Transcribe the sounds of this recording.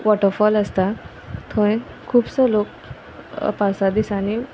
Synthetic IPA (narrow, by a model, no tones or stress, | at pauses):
ʋɔʈəɾfɔləst̪a | t̪ʰõẽ | kʰuːbsəlok̚ | pasad̪isani